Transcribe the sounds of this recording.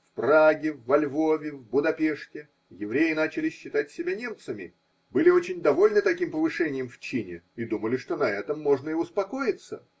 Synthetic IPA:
fpraɡʲɪvːɐlʲvo̞vʲɪvbʊd̪ɐpʲeʂtʲɪ | jɪvɾʲejɪnat͡ɕɪlʲɪɕːɪt̪atʲsʲɪbʲanʲe̞mt̪səmʲɪ̰ | bɨlʲɪo̞t͡ɕɪnʲd̪ɐvo̞lʲnɨt̪ɐkʲimpəvɨʂɛnʲɪjɪmft͡ɕinʲɪ̰id̪uməlʲɪʂt̪o̞nɐɛt̪əmːo̞ʐnəɪʊspɐko̞jɪt̪sə̰

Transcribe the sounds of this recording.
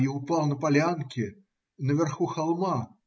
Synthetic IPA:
iupalˠnɐpalʲankʲi | nɐvʲɛrxuxalˠma

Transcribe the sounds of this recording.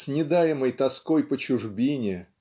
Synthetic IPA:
sʲnʲɪd̪ajɪməjt̪ɐskojpət͡ɕʊʐbʲinʲɪ

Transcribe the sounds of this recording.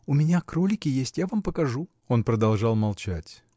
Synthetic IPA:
ʊmʲɪnʲakɾolʲɪkʲɪjesʲtʲjavampəkɐʐu | o̞npɾəd̪ɐlˠʐɑlˠmɐlˠt͡ɕætʲ

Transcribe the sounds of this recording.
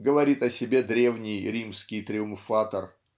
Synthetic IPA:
ɡəvɐɾʲit̪ɐsʲɪbʲe̞d̪ɾʲe̞vnʲɪjɾʲimskʲɪjt̪ɾʲɪʊmfat̪ər

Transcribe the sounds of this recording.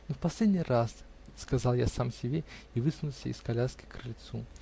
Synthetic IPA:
nufpɐsʲlʲed̪ʲnʲijras | skazalˠjasamsʲɪbʲeivɨsnulˠsʲəḭskalʲaskʲɪ̥kɾɨlʲt̪su

